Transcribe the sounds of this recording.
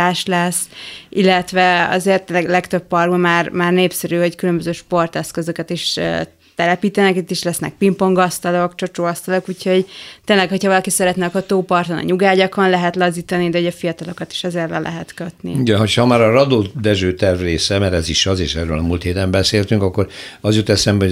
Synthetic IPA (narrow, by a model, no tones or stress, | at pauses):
aːʃlɛsːilːɛt̪ʋɛɒ̰zeːrt̪ːenlɛɡlɛkt̪øpːɒrɡbɒmaːrmaːrneːpsɛɾyːhockylø̞mbøzøːʃpo̞rt̪ɛskøzøkɛt̪iʃø̰ː | t̪ɛlɛpiːt̪ɛnɛkit̪ːiʃlɛsnɛ̰k̚pimpo̞ŋɡɒst̪ɒlo̞kt͡ʃot͡ʃoːɒst̪ɒlo̞kuːcho̞ɟt̪eːnlɛkho̞chɒvɒlɒkisɛɾɛt̪nɛkot̪oːpɒrt̪onɒ̰ɲuɡaːɟɒkonlɛɦɛt̪lɒziːt̪ɒnid̪ɛoɟɒfijɒt̪ɒlo̞kɒt̪i̥ʃɛzeːrlɛlʔɛ̰ɦɛt̪køt̪nḭuɟɛɦochɒmaːɾɒɾɒd̪oːd̪ɛʒøːt̪ɛrvreːsɛmɛɾɛziʃɒzeːʃɛːrøːlɒmuːlt̪heːt̪ɛmbɛseːlt̪yŋkɒkːoɾɒzjot̪ɛsɛmbɛo